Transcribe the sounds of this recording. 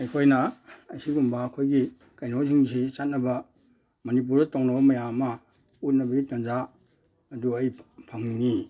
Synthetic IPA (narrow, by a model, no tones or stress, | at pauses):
ɐjkʰojnɐɐjsiɡumbaɐkʰojɡi | kajnoziŋs̬it͡ʃat̚nːɐbɐ | mɐnip̬uɾdɐtowŋnɐbɐmɐjamːɐ | ut̚nɐbɐɡitɐnza | ɐduɐjpʰaŋniŋi